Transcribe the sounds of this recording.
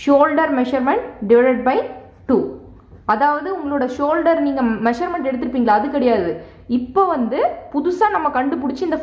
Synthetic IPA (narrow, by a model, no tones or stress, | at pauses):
ʂoːlɖɐɾmɛʂɐɾmɛɳʈɖɪʋɐɾɐʈ̚bɐɪ | ʈuː | ɐðaːʋɐðɯʊŋɡɐɭoːɽɐʃoːlɖɐɾniːŋɡɐmɛʂɐɾmɛɳʈɛɽɯt̪ːɯɾɯpːiːŋɡɐɭaːðɯkːɐɽɐjaːðɯ | ɪpːoːʋɐnd̪ɯpʊðʊsaːnɐmːɐkɐɳɖɯpʊɽɪt͡ʃːɯɪnd̪ɐ